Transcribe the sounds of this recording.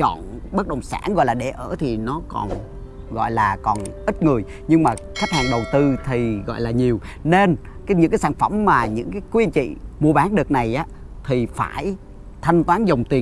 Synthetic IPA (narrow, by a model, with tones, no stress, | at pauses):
t͡ɕɔ̰˧˨nɓə˦˥k̚ɗə˨˩wŋ͡msa̰ː˧˥˦nɣɔ̰˧˨jlaː˨˩ɗe˧˩ʔəː˧˩t̪ʰi˨˩nɔ˨˦kɔ̰˨˩n | ɣɔ̰˧˨jlaː˨˩kɔ˨˩nʔï˦˥t̚ŋɨ˨˩əj | ɲɨ˧ŋmaː˨˩ | xa˦˥t̚haː˨˩ŋɗə˨˩wt̪ɨ˧t̪ʰi˨˩ɣɔ̰˧˨jlaː˨˩ɲi˨˩əwne˧n | kaː˨˦ɲɨ̰˧˥ŋkaː˨˦jsaː˧˩nfə˧˩mːaː˨˩ɲɨ̰˧˥ŋkaː˨˦jkwi˧ənt͡ɕḭ˧˨mu˧əɓaː˨˦nɗɨ˨˩ək̚na˨˩jʔaː˨˦ | t̪ʰi˨˩faː˧˩j | t̪ʰa˧jŋ̟t̪waː˨˦nzə˨˩wŋ͡mt̪i˨˩ə